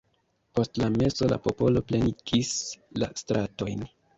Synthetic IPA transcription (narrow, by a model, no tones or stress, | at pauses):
po̞stlame̞so̞la̰po̞po̞lo̞pleniɡisla̰stɾʔato̞jn